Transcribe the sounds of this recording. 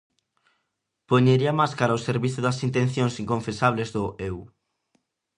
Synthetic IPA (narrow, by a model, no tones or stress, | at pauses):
poɲeɾiɐmaskaɾaoseɾβiθʊðɐsint̪ẽn̟θjõŋsiŋkõɱfesaβ̞lezðʊʔew